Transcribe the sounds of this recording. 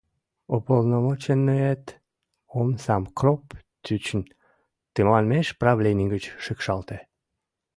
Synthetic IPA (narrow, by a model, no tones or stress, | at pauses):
opolnomot͡ɕenːøet̪ | omsɑmkrop | t̪yt͡ɕən | t̪əmlɑnmeʃpraβlʲenʲiɡət͡ɕʃəkʃɑlt̪e